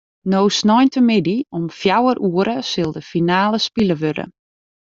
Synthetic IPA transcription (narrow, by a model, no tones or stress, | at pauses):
nowsnɔjntəmɪdiɔmfjawərʔuəɾəsɪlˠdəfinaːləspiləʋødə̰